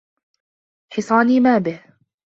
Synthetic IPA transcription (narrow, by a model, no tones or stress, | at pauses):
ħɪsˤɑːniːmaːbɪh